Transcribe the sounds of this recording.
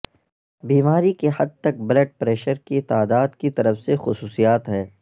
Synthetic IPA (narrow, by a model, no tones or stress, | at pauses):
biːmaːɾikehɐd̪̚t̪ɐk̚bɐləɖ̚pɾɛːʃəɾkit̪aːd̪aːd̪kit̪ɐɾəfsexʊsuːsijaːt̪ɦɛː